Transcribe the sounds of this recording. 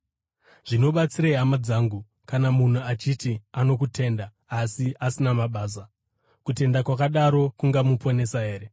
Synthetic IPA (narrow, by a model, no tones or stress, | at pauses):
ʐ̥ino̞ɓat͡siɾaiɦamad͡zaːŋɡu | kanamun̤uat͡ʃitiano̞kute̞ːnda | asiʔasinamaɓaːs̬a | kute̞ndakwakaɗaɾo̞kuŋɡamupo̞ne̞saɦe̞ːɾe